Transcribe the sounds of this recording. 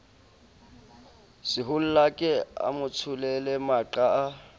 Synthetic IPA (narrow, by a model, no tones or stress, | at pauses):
sɪɦʊl̩lakʼɛa̰mʊt͡sʰʊlɛlɛmaǃaː